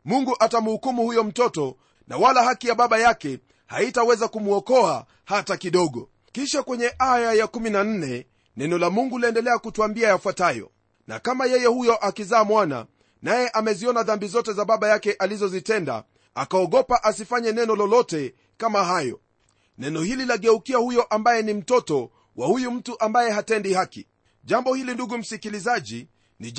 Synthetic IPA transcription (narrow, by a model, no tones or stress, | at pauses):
muŋɡuʔatam̩hukumuhujɔm̩tɔtɔ | na̰walahakijaɓaɓajakɛ | haitawɛzakumuɔkɔa | hatakiɗɔɠɔ | kiʃakwɛɲɛʔajajakuminan̩nɛ | nɛnɔlamuŋɡuliɛndɛlɛakutuambiajafwatajɔ̰ | na̰kamajɛjɛhujɔʔakizaːmwana̰ | najɛʔamɛziɔnaðambizɔtɛzaɓaɓajakɛʔalizɔzitɛnda̰ | akaɔɠɔpaʔasifaɲɛnɛnɔlɔlɔtɛ | kamaɦajɔ̰ | nɛnɔhililaɠɛukiahujɔʔambajɛnim̩tɔtɔ | wahujum̩tuʔambajɛɦatɛndihaki | ʄambɔhilinduɡum̩sikilizaʄi | ni